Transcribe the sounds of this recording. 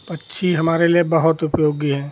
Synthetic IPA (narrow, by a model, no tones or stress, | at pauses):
pɐtːʃʰiɦɐmaːɾeliebɐɦʊt̪ʊpjoːɡiɦɛ̃ː